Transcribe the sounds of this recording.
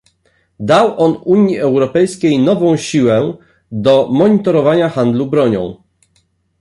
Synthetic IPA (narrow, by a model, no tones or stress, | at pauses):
d̪awʔɔnuɲjiɛwɾɔpɛjskʲejnɔvɔ̃w̃ɕiwɛ | d̪ɔmɔɲit̪ɔɾɔvaɲaxand̪lubɾɔɲɔ̰̃w̃